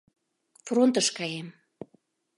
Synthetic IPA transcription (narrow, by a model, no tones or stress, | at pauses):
front̪əʃkɑjem